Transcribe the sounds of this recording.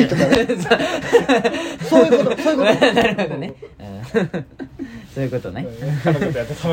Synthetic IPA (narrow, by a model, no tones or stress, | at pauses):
t̪oso | osokanaɾɯ̟hod̪oneɯ̃ː | soːjɯ̟kot̪onẽ